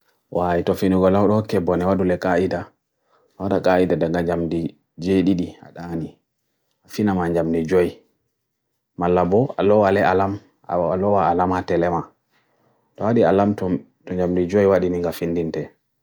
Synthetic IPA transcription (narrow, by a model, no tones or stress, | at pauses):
wʔajtɔfiniɡɔlawɗɔhɔkːɛbɔnɛwaɗulɛkʼaida | waɗakʼaidadaŋɡaɲd͡ʒamdi | d͡ʒeɗiɗia̰ɗani | ʔafinamaɲd͡ʒamdid͡ʒɔj | malːabɔalɔwalɛalam | a̰alɔwaalamatɛlɛma | tɔwaɗialamtɔ | tɔɲd͡ʒamdid͡ʒɔjwaɗiniŋɡafindintɛ